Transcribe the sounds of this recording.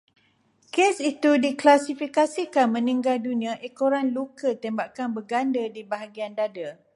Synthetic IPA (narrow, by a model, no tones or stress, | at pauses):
kesit̪udiklasifikasikanmə̃nĩŋɡaldunĩãʔekoɾanlukət̪embaʔkanbəɡandədibaɦaɡiandadə